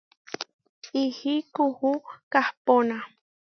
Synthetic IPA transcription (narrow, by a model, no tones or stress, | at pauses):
ihikuhukahpona